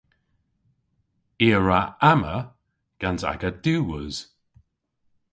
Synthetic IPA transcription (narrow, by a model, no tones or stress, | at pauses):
iːəɹaamə | ɡ̥anza̰ɡəd̥uːwəz̥